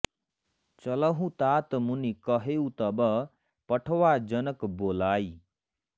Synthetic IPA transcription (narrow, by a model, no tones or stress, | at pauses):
t͡ʃʌlʌɦũt̪aːt̪munikʌɦewt̪ʌbʌ | pʌʈʰəwad͡ʒʌnəkboːlaːj